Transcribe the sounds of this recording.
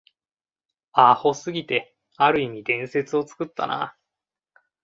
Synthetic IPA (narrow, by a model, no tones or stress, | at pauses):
aho̞sɨɡʲit̪e̞ | aɾɯ̟imʲid̪ẽ̞ɰ̃se̞t͡sɨo̞t͡sɨ̥kɯ̟t̪ːa̰na̰